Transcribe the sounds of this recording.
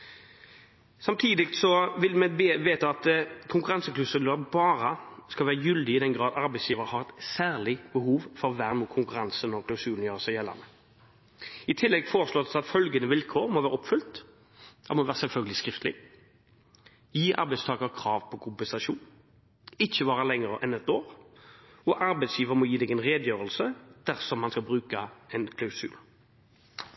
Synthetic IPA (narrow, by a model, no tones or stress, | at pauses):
sɑmt̪ʰiːd̪ɪkt̪sɔʋɪlmɛbʋeːt̪əɑt̪kʰʊŋkʉɾɑnsəklʉsʉləɾbɑːɾəskɑʋæːəjʏld̪ɪɪd̪ɛnɡɾɑːd̪ɑɾbæɪsjiːʋəɾhɑʁɛt̪sæːʁlɪbəhuːʋfɔʁʋæːʁnuːkʰʊŋkʉɾɑnsənɔɾkʰlɑʊsʉːln̩jøːʁəsæɪjɛlːɑ̰nə | ɪt̪ʰɪlːɛɡfoːɾʁəsloːd̪sɑt̪fœlɡənəʋɪlkʰoːɾmɔʋæːʁɔpfʏlt̪ | d̪̥ɛ̰ʁmɔʋæːʁəsɛlfœlɡəlɪskʁɪft̪ʰlɪ̰ | jiːʔɑ̰ɾbɛɪst̪ɑːɡəɾkʰɾɑːʋpʰɔkʰʊmpɛnsɑʂuːn | ɪçːəʋɑːʁəlɛŋəʁəʔɛnɛt̪oːɾ | ɔʔɑɾbɛɪsjiːʋəʁmɔjiːd̪ɛɡɛnʁeːd̪jøːɾəlsəd̪̥æɾsɔmːɑnskɑlbʁʉːkəɛnkʰlɑʉsʉ̰ːl